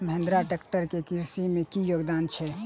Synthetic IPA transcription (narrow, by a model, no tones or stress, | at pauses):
məɦẽnd̪ɾaʈekʈəɾkekiɾsimẽkijoːɡd̪aːnt͡ʃʰɛ